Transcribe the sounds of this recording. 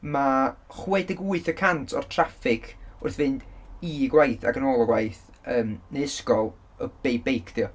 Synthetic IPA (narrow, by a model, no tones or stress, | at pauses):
maχwɛdɪɡuɨθəkʰantʰɔ̰r̥tʰrafɪkʰʊrθvɪnd̥iɡwajθa̰ɡənoːlˠɔɡwajθ | əːmneɪskɔlˠ | əb̥ejbejkʰd̥iɔ